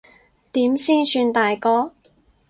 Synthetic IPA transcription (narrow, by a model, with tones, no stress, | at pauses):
t̪iː˨˥msiː˥nsyː˧nt̪aː˨jkɔː˥